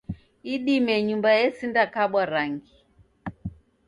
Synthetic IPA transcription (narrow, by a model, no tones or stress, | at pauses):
iɗimɛɲumbaɛsindakaɓwaɾaŋɡi